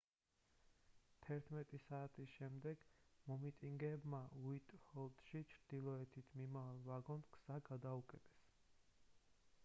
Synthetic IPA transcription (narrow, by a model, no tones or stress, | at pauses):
t̪ʰɛɾt̪ʰmɛt̪ʼisaːt̪ʰisʃɛmd̪ɛɡ̥mɔmit̪ʼiŋɡɛbmauit̪ʼhɔlˠd̪ʃit͡ʃʰɾd̪̥ilˠɔɛt̪ʰit̪ʰmimavalˠvaɡɔnkʰz̥aɡad̪aukʼɛt̪ʰʼɛ̥s